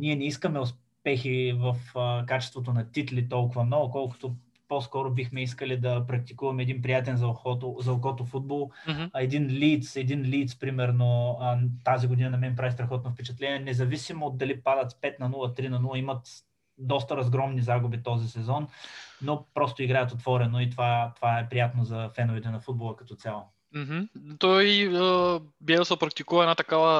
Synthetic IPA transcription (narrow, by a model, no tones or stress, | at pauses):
nʲiɛnɛiskəmɛʊs | pɛxivɐfəkat͡ʃɛ̥st̪vot̪̬onɐt̪it̪lit̪ɔlˠkʊvɐmnɔɡʊkɔlˠkʊ̥t̪o | poskɔɾʊbixmɛis̬kəlid̪ɐpɾɐk̚t̪i̥kuvɐmɛːd̪inpɾijat̪ɛnzɐxɔt̪ozɐlˠkɔt̪ofud̪̚bolˠɛd̪inlit̪sɛd̪inliːt̪spɾimɛɾnot̪aziɡoʊd̪inɐnɐmɛip̬ɾavist̪ɾɐxɔt̪nɐfpɛt͡ʃɛt̪lɛniɛnɛzɐvisimoːd̪̚d̪ɐlipad̪ət̪spɛt̪nɐnulˠɐt̪ɾinɐnulˠəimɐt̪ | d̪ɔst̪ɐɾɐzɡɾɔmnizaɡʊbit̪ɔzisɛzɔnːopɾɔst̪ʊiɡɾajət̪ot̪vɔɾɛnoit̪ovat̪ovaɛpɾijat̪nozɐfɛnovit̪ɛnɐfud̪bolˠəkɐ̥t̪ɔt̪sʲalˠo | m̩ɦm̩t̪ɔjəbjɛsəpɾɐk̚t̪ikuvɐɛdnat̪ɐkavə